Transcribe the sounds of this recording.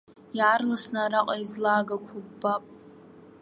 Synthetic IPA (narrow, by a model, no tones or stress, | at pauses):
jaːrlasnaɾaqʼaizlaːɡakʷʰʊbːapʼ